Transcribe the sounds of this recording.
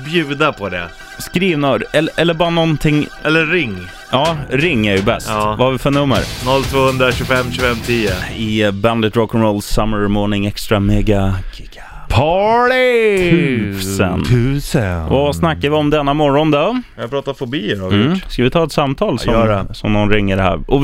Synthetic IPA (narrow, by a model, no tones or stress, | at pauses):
bjʉ̟ːd̪apʰɔd̪ɛ̰ | skɾiːvnaɛɛlːəɾbɑːɾanɔnt̪ʰɪŋːʔɛlːəɾɪŋː | ʔɑːɾɪŋːæjɵbɛ̰st̪ːvahaɾvɪfœɳɵmːə̰ɾnɔlt̪ʰvoːhɵnd̪ɾaɕʉːfɛmːɕʉːfɛmːt̪ʰiːʊ̰ɪband̪ət̪ɾɔkənɾɔʊlsːamːəɾmɔːɳɪŋɛkst̪ɾameːɡaɡɪɡ̥a | pʰɑɭɪʉsə̰nʰʉsavasnakːavɪɔmd̪ɛnːamɔɾɔnd̪ɔapɾɑːt̪afʊbiːəɾaɪjʊskavɪt̪ʰɑːɛt̪samt̪ʰɑːlsjɔɛsɔmnɔnɾɪŋːəɖɛhæ̰ːɾɔ